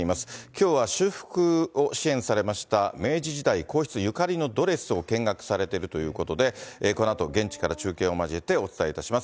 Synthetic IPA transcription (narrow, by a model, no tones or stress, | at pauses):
imasɨ̥kʲo̞ːβaɕɨːɸɯ̟̥kɯ̟o̞ɕiẽ̞ɰ̃saɾe̞maɕi̥t̪ame̞ːʑiʑid̪aikʰo̞ːçʲi̥t͡sɨjɯ̟kaɾʲino̞d̪o̞ɾe̞sɨo̞kẽ̞ŋɡakɯ̟̥saɾe̞t̪e̞ɾɯ̟t̪o̞jɯ̟ːko̞t̪o̞d̪e̞ko̞noat̪o̞ɡẽ̞ɲ̟t͡ɕi̥kaɾat͡ɕɨːkẽ̞ɰ̃o̞maʑiet̪e̞o̞t͡sɨ̥t̪aeit̪aɕimas